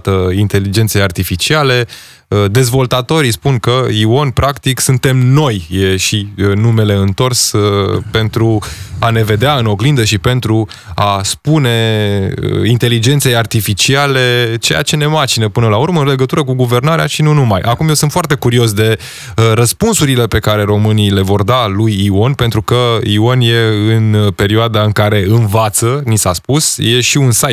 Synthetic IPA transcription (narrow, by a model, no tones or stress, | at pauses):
t̪əint̪e̞lid͡ʒe̞nt̪se̞jart̪ifit͡ʃiale̞ | əd̪e̞zvo̞lt̪at̪o̞ɾispunkəio̞nʲpɾʔakt̪iksunt̪e̞mno̞jjeʃinume̞le̞ɨnt̪o̞rspe̞nt̪ɾuane̞ve̞d̪eaɨno̞ɡlind̪əʃipe̞nt̪ɾu | aspune̞̰ | int̪e̞lid͡ʒe̞nt̪se̞jart̪ifit͡ʃiale̞t͡ʃe̞ja̰t͡ʃe̞ne̞mat͡ʃinəpɨnəlaurməɨnle̞ɡət̪uɾək̬uɡuve̞rnaɾea̰ʃinunumajʔakumjewsɨnt̪foart̪e̞kuɾio̞s̬d̪e̞ | ɾəspunsuɾile̞pe̞kaɾe̞ɾo̞mɨnile̞vo̞rd̪alujio̞npent̪ɾukəio̞nje̞ɨnpe̞ɾioad̪aɨŋkaɾe̞ɨnvat̪sənisaspusje̞ʃiunsa